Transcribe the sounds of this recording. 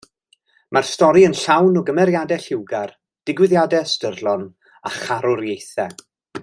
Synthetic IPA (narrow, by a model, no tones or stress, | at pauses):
marstɔɾiənɬawnɔɡəmɛɾjadɛɬɪwɡar | d̥ɪɡwɪðjadɛstərlˠɔn | aχaɾʊɾjejθɛ